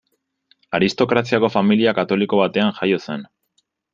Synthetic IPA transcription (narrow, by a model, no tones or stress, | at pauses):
aɾist̪o̞kɾasiako̞familiakat̪o̞liko̞β̞at̪e̞aŋxajo̞se̞n